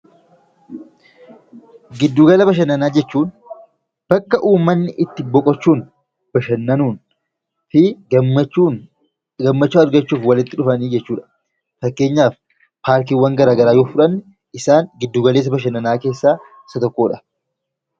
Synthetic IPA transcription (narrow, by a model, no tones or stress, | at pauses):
ɡɪd̪ːuːɡɐlɐbɐʃ̬ɐnːɐnaːd͡ʒɛt͡ʃːuːn | b̥ɐkːɐʔuːmːɐnːɪʔɪt̪ːɪbɔkʼɔt͡ʃːuːn | b̥ɐʃɐnːɐnuːn | fɪ | uː | ɡɐmːɐt͡ʃːuːɐɾɡɐt͡ʃːuːfwɐlɪt̪ːɪᶑʊfɐniːd͡ʒɛt͡ʃːuːᶑɐ̥ | fɐkːe̞ːɲːaːf | paːɾk̬iːwɐŋɡɐɾaːɡɐɾaːjo̞ːfʊᶑɐnːɪ | ɪsaːŋɡɪd̪ːuːɡɐleːs̬ːɐbɐʃ̬ɐnːɐnaːke̞ːsːaː | sɐt̪ɔkːo̞ːᶑɐ̥